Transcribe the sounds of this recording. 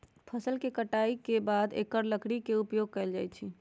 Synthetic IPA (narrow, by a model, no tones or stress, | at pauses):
pʰəsəlkekəʈaikebad̪ḛkəɾləkɽikeupjoɡ̚kɛɪld͡ʒajt͡ʃʰi